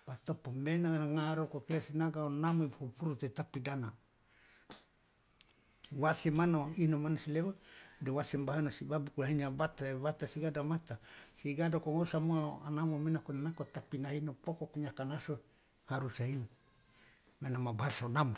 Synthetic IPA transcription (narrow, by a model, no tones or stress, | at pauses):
bat̪opomenanaŋaɾokokeasinaɡaonamoibhupuɾut̪et̪apidana | wasemanoinomanosileβadewasembaɦanosibabukulainiabat̪aeβat̪asiɡadamat̪asiɡadokoŋosamoanamomenakonanakot̪apinainopokokoɲakanaso | haɾusaino | menamabasaonamo